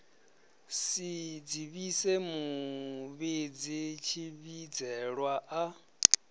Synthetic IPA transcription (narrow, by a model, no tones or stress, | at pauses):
sid͡ziβisemuβed͡zit͡ʃʰiβid͡zɛɺwaʔa